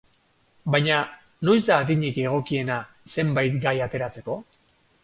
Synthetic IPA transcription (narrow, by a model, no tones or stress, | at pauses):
bajɲa | no̞ezd̪aːðiɲike̞ɣ̞o̞kie̞na | se̞mbajt̪ɡajat̪e̞ɾat͡se̞ko̞